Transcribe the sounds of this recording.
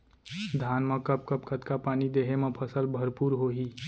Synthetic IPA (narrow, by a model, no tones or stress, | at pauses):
d̪ʱanməkəp̚kəp̚kʰət̪kapanid̪eɦeməpʰəsəlbʱəɾpuːɾɦoɦi